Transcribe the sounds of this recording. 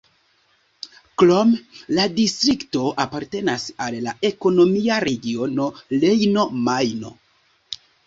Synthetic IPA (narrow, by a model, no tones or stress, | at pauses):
klomladistɾikto̞ʔapaɾte̞nasalːae̞ko̞no̞miaɾe̞ɡio̞no̞le̞jno̞majno̞̰